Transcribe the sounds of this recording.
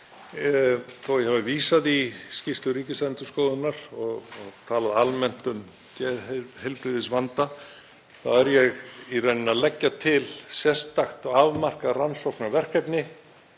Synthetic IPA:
θowjɛhavaviːsaðiscɪst̪lʏɾiːcɪsɛnt̪ʏskoːwðʏnaɾ̥ɔɣɔɣt̪ʰaːlaðalmɛn̥t̪ʏn | cɛhɛlpɾɪðɪsvant̪a | θaɛɾjɛɣirejnɪnaðlɛcːat̪ʰɪlsjɛst̪axt̪ɔɣavmar̥karansɔwknavɛr̥kɛpnɪ

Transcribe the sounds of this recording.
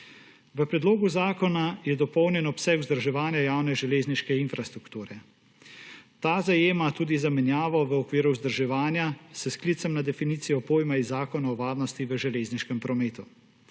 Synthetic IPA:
ʋəpɾɛd̪loːɡuzaːkɔnajɛd̪ɔpɔwnjɛnɔpsɛkuzd̪ɾʒɛʋaːnjajaːwnɛʒɛleːzniʃkɛinfɾast̪ɾukt̪uːɾɛ | t̪aːzajeːmat̪uːd̪izamɛnjaːʋɔʋəɔkʋiːɾuzd̪əɾʒɛʋaːnjasɛskliːt̪sɛmnad̪ɛfiniːt̪sijɔpoːjmaizaːkɔnaɔʋaːdnɔst̪iʋəʒɛleːzniʃkɛmpɾɔmeːt̪u

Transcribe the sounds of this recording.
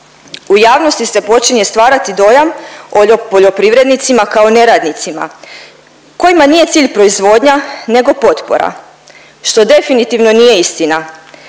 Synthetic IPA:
ujaːʋno̞st̪ise̞po̞t͡ʃiɲe̞st̪ʋaːɾat̪id̪o̞jamoopoʎo̞pɾiʋɾe̞d̪nit̪simakaone̞ɾaːd̪nit̪sima̰ | ko̞jimanije̞t̪siːʎpɾo̞izʋo̞ːd̪ɲane̞ɡo̞po̞t̪po̞̰ɾa̰ | ʃt̪o̞d̪e̞finit̪iʋno̞nije̞ist̪ina

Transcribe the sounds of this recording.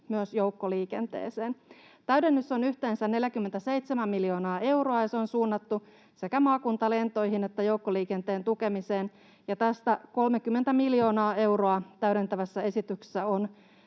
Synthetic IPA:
myøsjowkːoliːke̞nt̪ḛːseːn | t̪æyɾenːysːonyht̪e̞ːnsænne̞ljækymːent̪æse̞jt̪semæmːiljo̞ːnɑːe̞wroɑjɑseonsuːnːɑt̪ːu | se̞kæmɑːkunt̪ɑle̞nt̪o̞jɦine̞t̪ːæjouwkːoliːkent̪e̞ːnt̪uke̞mise̞ːn | jɑt̪æst̪æko̞lmekymːent̪æmiljo̞ːnɑːe̞wroɑt̪æyɾent̪æʋæsːæe̞sit̪ykse̥sːæo̞n

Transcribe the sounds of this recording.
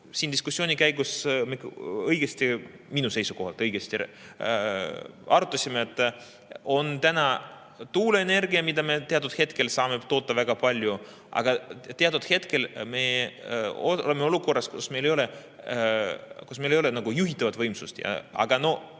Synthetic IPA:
siːnd̪̥iskusʲːo̞ːnʲikæjɡusmikɤjɡest̪i | minuse̞jsuko̞ɦɑlt̪ːˑɤjɡ̥est̪i | ɑɾut̪ːˑɑsʲimeet̪ːˑ | o̞nt̪ænɑ | t̪uːleene̞rɡiɑmid̪ɑme̞t̪eɑt̪ːˑud̪̥he̞t̪ke̞lsɑːme̞t̪o̞ːt̪ːɑvæɡ̥ɑpɑlʲju | ʔɑ̰ɡ̥ɑt̪eɑt̪ud̪̥he̞t̪ke̞lme̞ | oolemːeoluko̞rːɑskusme̞jlejole | kusmejlejo̞lenɑɡ̥ujuɦit̪ːˑɑvɑt̪vɤjmsust̪jɑ̰ɑ̰ɡ̥ɑno̞h

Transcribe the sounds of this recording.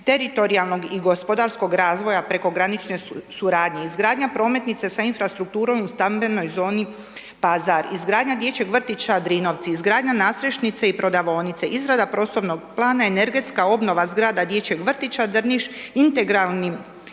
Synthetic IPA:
t̪e̞ɾit̪o̞ɾialˠno̞ɡiɡo̞spo̞d̪aɾsko̞ɡɾaːzʋo̞japɾe̞ko̞ɡɾanit͡ʃne̞suɾaːd̪ɲe̞izɡɾaːd̪ɲapɾo̞ːme̞t̪nit̪se̞sainfɾast̪ɾuk̚t̪uːɾo̞must̪ambe̞no̞jzo̞ːni | pazaɾizɡɾaːd̪ɲad̪je̞t͡ɕeɡʋr̩t̪it͡ʃad̪ɾiːno̞ʋt̪siːzɡɾaːd̪ɲanaːsɾeʃnit̪se̞ipɾo̞d̪aʋo̞ːnit̪se̞ʔizɾad̪apɾo̞slˠo̞ʋnoɡplˠaːnaene̞ɾɡe̞t̪skao̞bno̞ʋazɡɾaːd̪ad̪je̞t͡ɕeɡʋr̩t̪it͡ʃad̪r̩niʃint̪e̞ɡɾalˠni

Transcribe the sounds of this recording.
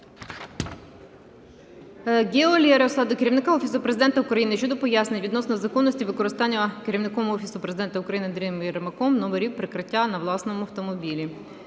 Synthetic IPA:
ɡʲelʲɛɾeɔsɑd̪ʊkeɾʲiʋnɪkaɔfʲisʊpɾezɪd̪ɛnt̪ɐʊkɾɐjinɪʃt͡ʃɔd̪ɔpɔjasnɪʋʲid̪nɔsnɔzɐkɔnːɔsʲtʲiʋɪkɔɾɪst̪ɑnʲːɐkeɾʲiwnɪkɔmɔfʲisʊpɾezɪd̪ɛnt̪ɐʊkɾɐjinɪnd̪ɾʲimjɛɾmɐkɔmnɔmeɾʲiwpɾɪkɾɪtʲːanɐʋlˠɑsnɔmʊɐwt̪ɔmɔbʲilʲi

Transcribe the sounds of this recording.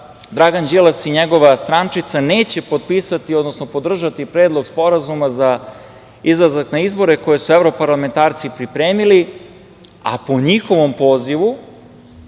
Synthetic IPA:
d̪ɾaɡand͡ʒilˠasiɲeɡo̞ʋast̪ɾant͡ʂit̪saneːt͡ɕe̞pot̪̚piːsat̪iod̪no̞snopo̞d̪r̩ʒat̪ipɾe̞ːd̪lˠo̞ɡspo̞ɾazumaza | izlˠazaknaizbo̞ɾeko̞je̞suevɾo̞paɾlˠame̞nt̪aːɾt̪sipɾipɾe̞ːmili | a̰po̞ɲixo̞ʋo̞mpo̞ːziʋu

